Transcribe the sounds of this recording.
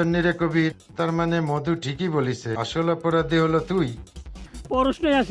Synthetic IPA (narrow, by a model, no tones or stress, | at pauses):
onːiɾekobit̪aɾmanemɔd̪uʈʰikiboliseaʃolɔpɔɾad̪ʱiɦolot̪uj | pɔɾosnoeas